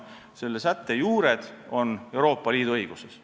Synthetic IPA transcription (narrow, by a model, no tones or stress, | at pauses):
se̞lːesæt̪ːe̞juːɾe̞d̪̥o̞ne̞wɾo̞ːpˑːɑliːd̪uɤjɡ̥uses